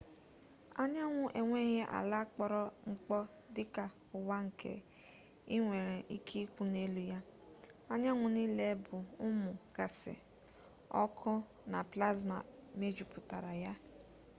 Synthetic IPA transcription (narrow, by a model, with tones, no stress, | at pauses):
a˦ɲa˦ŋʷʊ˦ʔe˨ŋʷe˦ɦe˦ʔa̰˨la˦k͡pɔ˦ɾɔ˦ŋ͡m̩˦k͡pɔ˦ | dɪ˦ka˨ | ʊ˨wa˦ŋ̩˨kʰḛ˨ | i˦ŋʷe˨ɾe˨ʔi˦kʰi˦kʷu˦ne˦lu˦ja˦a˦ɲa˦ŋʷʊ˨ni˦le˦bʊ˨ʊ˦mʊ˨ɡ̥a˨sɪ̰˨ | ɔ̰˦kʰʊ˦ | na˨pla˦zma̰˨me˦d͡ʒu˨pʊ˨ta˨ɾa˨ja˦